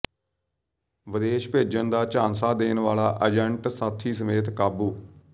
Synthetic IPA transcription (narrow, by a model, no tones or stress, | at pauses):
ʋəd̪eːʃpeːd͡ʒənd̪aːt͡ʃaːnsaːd̪eːnʋaːlaːʔəd͡ʒɛɳʈsaːt̪ʰːiːs̬əmeːt̪kaːbuː